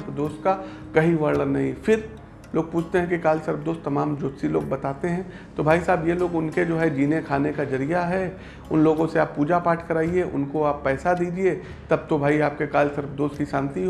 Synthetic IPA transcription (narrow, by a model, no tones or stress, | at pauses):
pd̪oːst̪̚ka | kɐɦiʋəɾlənɐɦĩfɪɾ | loːɡ̚puːt͡ʃʰt̪eɦɛ̃kikaːlsɐɾbd̪oːst̪ːɐmaːmd͡ʒoːsiloːɡ̚bɐt̪aːt̪eɦɛ̃ː | t̪obʱaːisaːbjeloːɡʊnked͡ʒoːɦɛd͡ʒiːnekʰaːnekazɐɾijaɦɛ | ʊnloːɡõseaːpːuːd͡ʒapaːʈʰkɐɾaːieʔʊ̰nkoaːpːɛːsad̪iːd͡ʒie | t̪ɐb̚t̪obʱaːiaːp̚kekaːlsɐɾbd̪oːst̪̚kiʃãːnt̪iɦ